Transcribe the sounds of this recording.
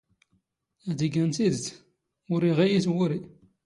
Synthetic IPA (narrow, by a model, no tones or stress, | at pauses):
æd̪əɡənt̪id̪θ | ʊɾiʁijiθwʊɾi